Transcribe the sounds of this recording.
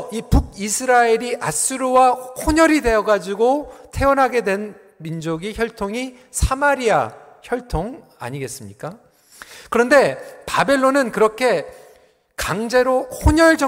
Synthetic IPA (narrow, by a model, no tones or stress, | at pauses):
ipuɡ̚isʰɯɾaeɾiʔas͈ɯɾowahoɲʌɾide̞ʌɡad͡ʑiɡotʰe̞ʌnɦaɡe̞dwe̞n | mind͡ʑoɡiçjʌɭtʰoŋi | sʰamaɾia̰ | çjʌɭtʰoŋ | a̰ɲiɡe̞s͈ɯmɲik͈a | kɯɾʌnde̞pabe̞ɭːonɯnkɯɾʌkʰe̞ | kaŋd͡ʑe̞ɾohoɲʌɭd͡ʑʌ